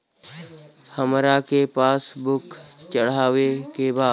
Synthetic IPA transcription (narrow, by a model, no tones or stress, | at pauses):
həmɾakepaːsbʊkt͡ʃəɽ̤aːʋekebaː